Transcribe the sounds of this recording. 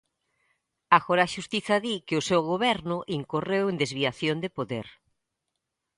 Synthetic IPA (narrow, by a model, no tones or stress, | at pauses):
aɣoɾaʃust̪iθɐðikɪʊsewɣoβɛɾnʊʔiŋkorewend̪ezβiaθjond̪epoðeɾ